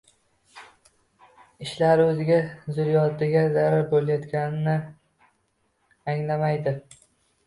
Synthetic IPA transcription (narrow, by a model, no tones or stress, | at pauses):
ɪʃlaɾɵzɪɡʲazʊɾjɒd̪ɪɡʲazaɾaɾbolajɒt̪kʲanɪnɪ | aŋlamajd̪ɪ